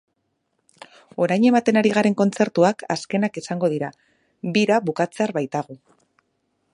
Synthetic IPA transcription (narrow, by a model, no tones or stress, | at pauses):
o̞ɾajɲe̞mat̪e̞naɾiɣ̞aɾe̞ŋko̞nt͡se̞ɾt̪uakaske̞nakisaŋɡo̞ðiɾa | βiɾaβukat͡se̞aɾβajt̪aɣ̞u